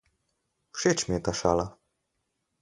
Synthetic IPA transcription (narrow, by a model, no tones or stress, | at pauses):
fʂɛt͡ɕmɲɛt̪aʂa̰la